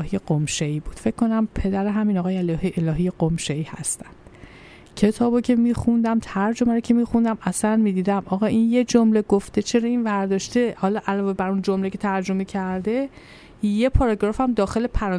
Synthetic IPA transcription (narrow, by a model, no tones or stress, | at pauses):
ɦijeɡomʃeiːbuːd̪̥fecʰkʰːo̞næmpʰe̞d̪æɾeɦæmiːnɒːɣɒːjeelːhielɒːɦijeɡomʃeiːhæ̰st̪ænd̪ | cʰe̞t̪ʰɒːbɒcʲʰe̞miːxund̪æmt̪ʰæɾd͡ʒo̞mæɾocʰe̞miːxund̪æmæsænmiːd̪iːd̪æmɒːɣɒʔinje̞d͡ʒomle̞ɡoft̪et͡ʃʰe̞ɾɒːinvæɾd̪ɒːʃt̪e̞hɒːlɒːʔælɒːve̞bæɾund͡ʒomlecʰe̞t̪ʰæɾd͡ʒo̞me̞cʰæɾd̪e̞ | je̞pʰɒɾɒɡɾɒːfæmd̪ɒːxe̞le̞pʰæɾɒ